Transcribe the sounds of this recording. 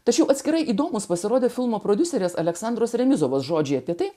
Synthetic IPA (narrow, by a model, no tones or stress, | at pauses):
t̪ɐt͡ʃʲɛʊɐt̪ʲsʲkʲɪɾɐɪʔiːd̪oːmʊspɐsʲɪɾoːd̪ʲeːfʲɪlˠmoːpɾoːd̪ʲʊsʲɛɾʲeːsɐlʲɛksɑnd̪ɾoːsɾʲɛmʲɪzoːʋoːsʒoːd͡ʒʲɛɪɐpʲiɛt̪ɐɪ